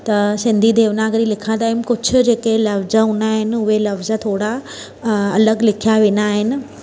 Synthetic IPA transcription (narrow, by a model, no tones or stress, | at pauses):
t̪ɐsɪ̃nd̪ʱid̪ʱeːʋnãːɡəɾilɪkʰə̃nd̪aːɪm̆kʊd͡ʑʰʱʊ̆d͡ʑeːkelɐfzəɦʊ̃naːɦɪnɪ̆ʊɦelɐfzə̆t̪ʰoːɽa | ɐləɡlɪkʰijaʋẽːnd̪aːɦɪnɪ̆